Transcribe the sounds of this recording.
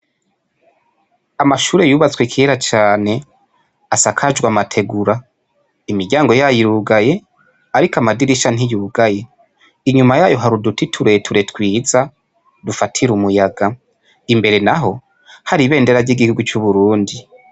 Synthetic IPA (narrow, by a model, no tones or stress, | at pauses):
amaʃuːɾe̞juːβat͡swekʰieɾat͡ʃaːne̞ | asakʰad͡ʒwamatʰe̞ɡuɾa | imiɾɟaːŋɡo̞jajiɾuɡaje̞ | aɾikamadiɾiʃan̥ijuːɡaje̞ | iɲumajaːjo̞ɦaɾudutitʰuɾe̞tʰuɾe̞tkwiːza | dufatʰiɾumujaɡa | imbe̞ɾe̞naɦo̞ | haɾiβe̞ːnde̞ɾaɟiɡihuɡut͡ʃuβuɾuːndi